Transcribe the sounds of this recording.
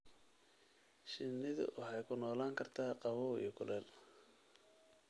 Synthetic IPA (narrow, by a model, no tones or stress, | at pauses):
ʃɪnːɪðʊ̰wʔɑħɑjkʰʊnɔːlaːŋkʰɐrt̪ʰaːqɑβɔːḭjɔkʰʊlɛːl